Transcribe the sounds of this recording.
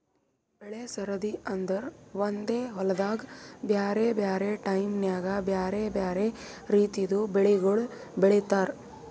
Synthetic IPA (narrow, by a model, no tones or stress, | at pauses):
bɛɭeːsɐɾɐd̪iɐnd̪ɐɾʋɐnd̪eːɦɔlɐd̪aːɡbjaːɾebjaːɾeʈɐjmnjaːɡabjaːɾebjaːɾeɾiːt̪id̪ubɛɭeɡoɭ | bɛɭet̪aːɾ